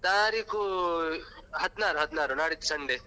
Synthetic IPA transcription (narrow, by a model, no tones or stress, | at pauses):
t̪ãːɾiku | ɦɐt̪naːɾuɦɐt̪naːɾunaːɾiku̥sɐɳɖe